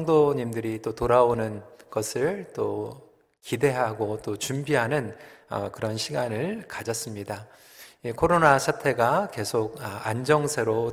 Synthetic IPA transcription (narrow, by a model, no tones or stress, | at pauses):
ʌŋdoɲimdɯɾit͈otoɾaonɯnɡ̥ʌsʰɯɭt͈o | kide̞ɦaɡot͈ot͡ɕumbiɦanɯnʌ̰kɯɾʌnɕʰiɡanɯɭkad͡ʑʌs͈ɯmɲida | jekʰoɾonasʰatʰe̞ɡake̞sʰoɡ̚and͡ʑʌŋsʰeɾo